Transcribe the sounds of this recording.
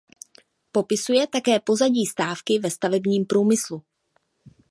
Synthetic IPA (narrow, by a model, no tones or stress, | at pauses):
po̞pɪsujɛt̪akɛːpo̞zaɟiːst̪aːfkɪvɛst̪avɛbɲiːmpɾuːmɪslu